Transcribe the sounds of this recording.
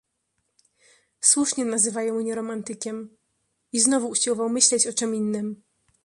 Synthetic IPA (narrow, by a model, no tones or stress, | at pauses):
swuʂɲɛnazɘvajɔ̃w̃mɲɛɾɔmant̪ɘkʲɛm | iznɔvuːɕiwɔvawmɘɕlɛt͡ɕɔt͡ʂɘminːɘm